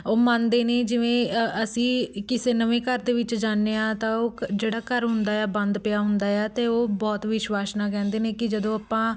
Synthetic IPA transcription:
oːmãnd̪eːneːd͡ʒɪʋẽːəsĩːkɪseːnəʋẽːkəɾd̪eːʋɪt͡ʃd͡ʒaːnːeːãːt̪ãːoːd͡ʒeːɽaːkəɾɦʊnd̪aːjaːbə̃nd̪pɪjaːɦʊnd̪aːaːt̪eːoːbɔːt̪ʋɪʃwaːsnãːk̬ɛ̃ːnd̪eːneːkɪd͡ʒəd̪õːapːãː

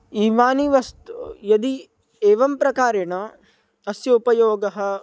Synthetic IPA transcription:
iːʋaːniʋɐst̪ujɐd̪i | eːʋɐmpɾɐkaːɾɐɳɐ | ɐsjɐupɐjoːɡɐɦɐ̆

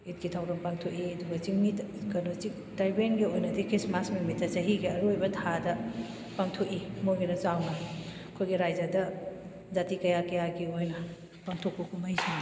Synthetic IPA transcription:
it̚ɡ̥itʰawɾɐmpaŋtʰokiɐduɡɐt͡ʃiŋmikɐnot͡ʃik | dajbenɡiojnɐdikɾismasmimit̚ːdɐsɐɦiɡiɐɾujbɐtʰadɐ | paŋtʰokimojɡinɐt͡ʃawnɐkʰojɡiɾajd͡ʒɐdɐ | zatikɐjakɐjaɡiojnɐ | paŋtʰok̚pɐkʰumajsʰi

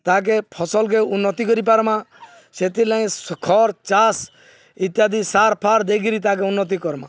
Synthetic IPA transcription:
t̪ak̬epʰɔsɔlkeunːɔt̪ik̬ɔɾip̬aɾmã | set̪ilaĩkʰɔɾt͡ʃas | it̪jad̪isaɾpʰaɾd̪eɡiɾit̪ak̬eunːɔt̪̬ikɔɾmã̰

